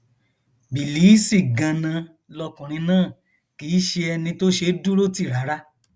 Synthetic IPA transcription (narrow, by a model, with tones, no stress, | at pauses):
bi˨liː˨˦si˦˨ɡã˧nã˧ | lɔ˧kũ˨ɾ̃ĩ˧nãː˦˨ | kiː˨˦ʃe˧ɛ˧nĩ˧to˦ʃe˧˦du˦ɾo˦ti˦˨ɾa˨˦ɾa˦